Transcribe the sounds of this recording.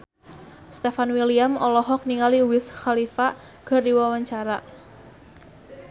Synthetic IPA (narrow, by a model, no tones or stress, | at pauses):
st̪efanwiliamɔlɔɦɔk̚niŋaliwɪsxalifa | ɡ̥a̤rdiwawaɲt͡ʃaɾa